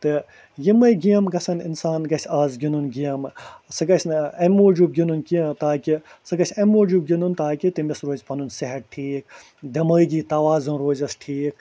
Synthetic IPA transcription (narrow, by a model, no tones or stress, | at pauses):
t̪ɨ | jimɐjɡijɐmɡɐsɐninsaːnɡɐsʲaːzɡʲinunɡijɐmsɨɡɐsnɐmoːd͡ʒuːb̚ɡʲinunkiɐt̪aːkisɨɡɐsʲɐmoːd͡ʒuːb̚ɡʲinunt̪aːkʲit̪imisɾoːzʲpʰɐnunsiɦɐʈ̚ʈʰiːk | d̪ɐmɐːjɡiːt̪ɐʋaːzɨnɾoːzɐsʈʰiːk